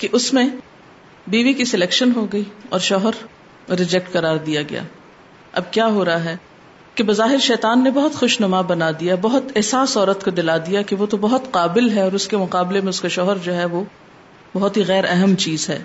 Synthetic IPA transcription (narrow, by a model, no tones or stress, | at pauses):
keʔʊsmẽ | biːʋikisɪlɛːkʃənɦoɡɐiːɔ̰ːɾʃɔːɦəɾ | ɾɪd͡ʒɛk̚ʈqɐɾaːɾd̪ijaɡɐ̰ja̰ː | ɐ̰b̚kjaːɦoːɾɐɦaɦɛː | kebɐzaːɦɪɾʃɛːt̪aːnːebɐɦʊt̪xʊʃnɐmabɐnad̪ijabɐɦʊt̪ɛɦsaːsɔːɾət̪kod̪ɪlaːd̪ijakeʋot̪obɐɦʊt̪qaːbɪlɦɛɔːɾʊskemʊqaːblemẽʊskaʃɔːɦəɾd͡ʒoːɦɛʋo | bɐɦʊt̪ɦiɣɛːɾɛɦɛmt͡ʃiːzɦɛ̰ː